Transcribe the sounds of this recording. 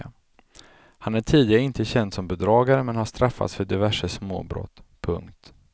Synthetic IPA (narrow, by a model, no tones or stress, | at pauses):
hanæʈʰiːd̪ɪaɾəɪnt̪əɕɛnd̪sɔmbɛd̪ɾɑːɡaɾəmɛnhaʂt̪ɾafːa̰t̪sfœɖɪvæʂəsmo̰ːbɾɔ̰t̪ːpʰɵ̰ŋk̚t̪